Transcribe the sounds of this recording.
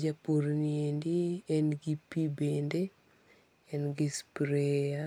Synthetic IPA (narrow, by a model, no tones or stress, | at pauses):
d͡ʒapoɾniendiɛnɡipibende | ɛnɡɪspɾea